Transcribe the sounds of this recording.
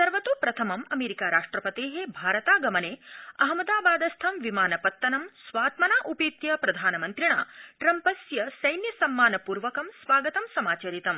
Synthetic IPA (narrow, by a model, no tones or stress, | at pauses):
sɐɾʋɐt̪uːpɾɐt̪ʰɐmɐmɐmeːɾikaːɾaːʂʈɾɐpɐt̪eːɦebʱaːɾɐt̪aːɡɐmɐneːɐɦɐmɐd̪aːbaːd̪ɐst̪ʰɐmʋimaːnɐpɐt̪ːɐnɐmsʋaːt̪mɐnaːʔupiːt̪jɐpɾɐd̪ʱaːnɐmɐnt̪ɾiɳa̰ːʈɾɐmpɐsjɐsɐjnjɐsɐmːaːnɐpuːɾʋɐkɐmsʋaːɡɐt̪ɐmsɐmaːt͡ʃɐɾit̪ɐm